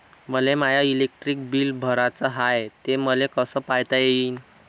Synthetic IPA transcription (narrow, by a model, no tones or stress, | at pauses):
məlemajailek̚ʈɾik̚biːlbʱəɾat͡səɦajt̪eməlekəsəːpajt̪ajeiːn